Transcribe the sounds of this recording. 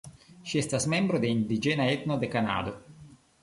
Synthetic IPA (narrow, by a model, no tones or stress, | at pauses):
ʃiɛst̪asmɛmbɾod̪eind̪id͡ʒɛːnaɛt̪nod̪ekana̰ːd̪o